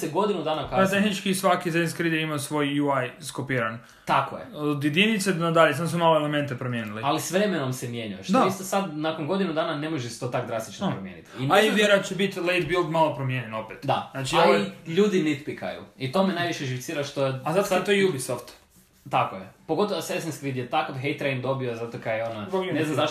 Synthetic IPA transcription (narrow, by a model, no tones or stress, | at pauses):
seɡo̞d̪inud̪aːnakaat̪exnit͡ʃkisʋakizenskɾid̪eimaosʋo̞jjuajskopiːɾan | t̪akojḛod̪jed̪init̪sed̪nad̪aʎesamosmomaːloelement̪epɾomjeːnilialisʋɾemeno̞msemje̞ɲajaʃtd̪oaist̪osad̪nakonɡo̞d̪inud̪aːnane̞moʒese̥t̪ot̪akd̪ɾast̪i̥t͡ʃnopɾomjḛnḭt̪inaeidjeɾat͡ʃebit̪ʲlejt̪bilˠd̪malopɾomjeɲenopet̪d̪anat͡ʃioaliʎuːd̪init̪pika̰jṵit̪o̞menajʋiʃjeʒift̪siːɾaʃt̪oeazat̪sat̪ojijubisoft̪ | t̪akojepo̞ɡo̞t̪oʋosesenskɾid̪jet̪akoʋɦejt̪ɾejnd̪o̞biozat̪okajeonoponeznamzaʃ